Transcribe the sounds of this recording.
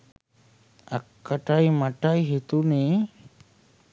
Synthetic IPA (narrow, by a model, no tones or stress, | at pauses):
a̰kːaʈajmaʈajɦit̪unie